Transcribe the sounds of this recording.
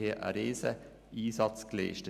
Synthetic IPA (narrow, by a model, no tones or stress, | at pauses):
eːʔæ̰ɾeːsə | iːsɑt̪sklḛːʃtə